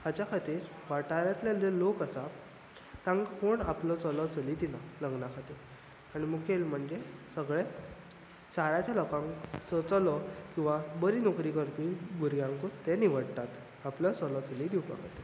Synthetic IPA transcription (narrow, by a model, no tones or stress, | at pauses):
ad͡ʑjakʰat̪iːɾ | ʋaʈaɾjat̪ljalelokasa | t̪ãŋkpoɳaplɔt͡səlɔt͡səlid̪inaləŋɡnakʰat̪iːɾ | aɽ̃imukelm̤əɳd͡ʑesəɡɭe | saɾat͡ɕjalɔkãŋt͡sɔt͡səlɔkĩw̃ʋabəɾiːnɔkɾikəɾpiɡuɾɡjãŋkot̪ɛniʋ̤əɽt̪at̪ | aplɔt͡səlɔt͡səlid̪iwpa̰ɡt̪e